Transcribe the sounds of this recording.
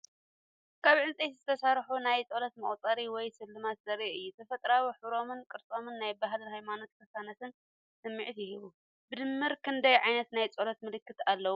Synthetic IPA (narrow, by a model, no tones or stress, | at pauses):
kʰaβʕɨnt͡sʼet̪zɨt̪ʰɐsaɾħunajt͡sʼolɐt̪mɐχʼt͡sʼɐɾiwɔjsɨlːɨmat̪zɐɾiɨjːut̪ʰɐfɐt̪ʼɾawiħuɾo̞mɨnkʼɨɾt͡sʼomɨnːajbaɦlɨhajmano̞t̪̚kʰɐsanɐt̪ʰɨn | sɨmːiʕt̪jɪɦɨβu | bɨd̪ɨmːɨɾkʰɨnd̪ɐjʕajnɐt̪najt͡sʼolɐt̪mɨlɨkːɨt̪alːɐwu